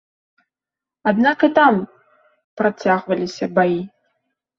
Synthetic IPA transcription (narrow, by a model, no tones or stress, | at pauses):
ad̪nakɨt̪am | pɾat͡sʲaɣvɐlʲisʲɐbaji